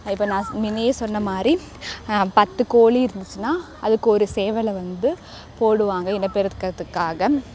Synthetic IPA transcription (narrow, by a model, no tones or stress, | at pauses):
ɪpːɐːnãːmɪnejesɔnːɐmaːd̪ɾi | pɐt̪ːɯkoːɭiɪɾɯnd̪ɯt͡ʃːɯnaː | ɐðɯkːɯɔɾɯseːʋɐlɐʋɐnd̪ɯ | poːɽɯʋaːŋɡɐɪnɐpːɛɾɐkːɐt̪ːɯkːaːɣɐ